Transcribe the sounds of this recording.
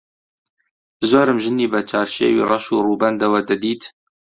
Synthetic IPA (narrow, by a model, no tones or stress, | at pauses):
zoːɾɨmʒɨniːbɛt͡ʃʰɑːɾʃḛːwḭːrˤɑʃuːruːbɛnd̪ɐwɛd̪ɛd̪iːt̪ʰ